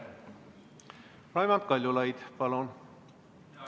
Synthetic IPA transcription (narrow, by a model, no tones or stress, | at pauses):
lɑjmɑnt̪̚kɑlʲjulɑjd̪̥pɑlon